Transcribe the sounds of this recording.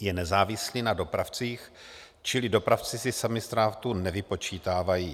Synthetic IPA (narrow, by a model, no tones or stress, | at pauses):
jɛnɛzaːvɪsliːnado̞pɾaft͡siːx | t͡ʃɪlɪdo̞pɾaft͡sɪsɪsamɪst̪ɾaːft̪unɛvɪpo̞t͡ʃiːt̪aːvajiː